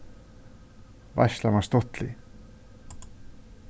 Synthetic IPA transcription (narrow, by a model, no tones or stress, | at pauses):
va̰ʃlamast̪ɔt̪lḭ